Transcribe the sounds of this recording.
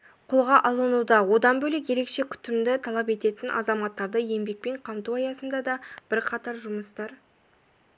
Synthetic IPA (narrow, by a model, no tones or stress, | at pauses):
qʰolˠʁɑʔɑlˠənud̪ɑwo̞d̪ɑnbɵlɪkje̞ɾe̞kʃe̞kʲʰʏ̥t̪ːɪmd̪ɪt̪ʰɑlˠɑpe̞t̪e̞t̪ɪnʔɑ̰zɑmɑt̪ːɑɾd̪əje̞mbe̞k̚pe̞ɴqʰɑmt̪uɑjɑsənd̪ɑd̪ɑb̥ɪɾqʰɑt̪ɑɾʒʊməst̪ɑɾ